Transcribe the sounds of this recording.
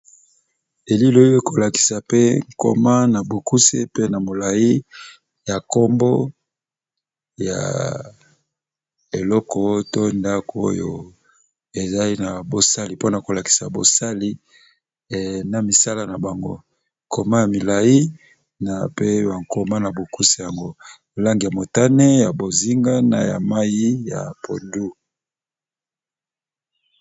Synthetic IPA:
e˨li˦lo˨i˦e˦ko˨la˨ki̥˨sa˨pe˦ŋ˨ko̰˨ma˦na˨bo˨ku˦sḛ˦pe˦na˨mo˨la˨i˦ | ja˨ko˦mbo˦ | ja̰˨ | e˨lɔ˦kɔ˨to˦nda˦ko˨o̰˦jo̰˨ | e˨za˦i˦na˨bo˨sa˦li˨po˦na˨ko˨la˨ki̥˨sa˨bo˨sa˦li˦˨ | na˨mi˨sa˦la˦na˨ba˨ŋɡo̰˦ | kʰo˨ma˦ja˨mi˨la˨ji˦ | na˨pe˦ba˨ŋ˨ko˨ma˦na˨bo˨ku˦si˨ja˨ŋɡo˦ | la˦ŋɡi˨ja˨mo˨ta˦ne˦ja˨bo˨zi˦ŋɡa˦na̰˨ja̰˨ma˦ji˦ja̰˨po̰˨ndu˦

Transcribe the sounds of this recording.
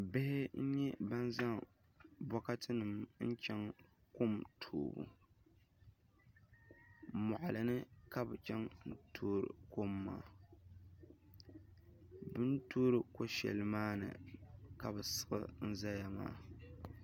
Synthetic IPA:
bɪ˦hɪ˦n̩˦ɲɛ˦ba˦nza˦ŋ | bɔ˦ka˦tʰɨ˦nɨ˨mn̩˦t͡ʃɛ˦ŋ | ko˦˨mtʰo̰ː˨bṵ˨ | mɔ˨ʔa˨lɨ˨nɨ˦ka˦bɨ˨t͡ʃɛ˦ŋn̩˦tʰoː˦ɾɨ̰˨ko˦mːa̰ː˦˨ | bɨ˦n˦toː˦ɾɨ˨ko˦ʃɛ̰˨lɨ˨maː˦nɨ̰˨ka˨bɨ˨sɨ̥˨ʔɨ̰˦n̩˦za˦ja˨ma̰ː˦˨

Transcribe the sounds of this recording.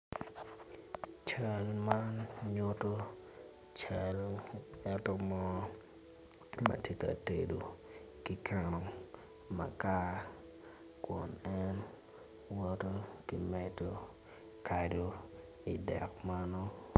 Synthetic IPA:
t͡ʃa˦lma˦nɲʊ˦to˦ | t͡ʃa˨lɛ˦to˦mɔ˦ | mɐ̰˨te˦ka̰˨te˨do˨ | ki˦kʰa˦˨no˨ŋ | ma̰˨ka˦ | kɔ˨nɛ˦n | wɔ˦to˦ki˨mɛ˦to˦ | kʰa˨do˦ | i˨dɛ̰˨kma˦nɔ˦

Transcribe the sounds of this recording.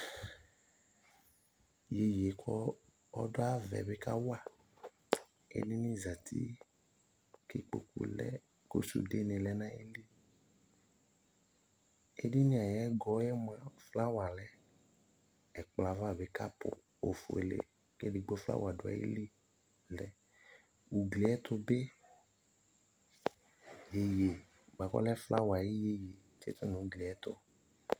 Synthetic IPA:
je˦je˨kʰɔ˦ | ɔ˦dɔ˦a˦vɛ̰˨be˦ka˦wa˦˨ | ḛ˦ni˦nĩ˦za˨t̪ʰi˦ | ke˦k͡po̰˨kṵ˦lɛ̰˦ | ko̰˦sṵ˨de˦ne˨lɛ˦nã˦e˦li˦ | ḛ˦di˦nĩ˨˦a˨jɛ˦ɡɔ˦jɛ˦m˨ã˨fla˦wa˨lɛ˦ | ɛ˨k͡pla˨va˦˨be˦ka˦pʊ̰˨ | o˨fo̰˨ḛ˨lḛ˨ | kḛ˦di˨ɡ͡bɔ˦fla̰˦wa˨dʊ˨˦a̰˨jḛ˦li˦ | lɛ˨ | u˨ɡli˨ɛ˦t̪ʊ˦be˦ | je˨je˨ | ɡ͡ba˨kɔ̰˦lɛ˦fla˦wa˨je˦je˨je˨ | t͡ʃḛ˦t̪ɔ˦nũ˨u˦ɡli˨ɛ˦t̪ʊ˦

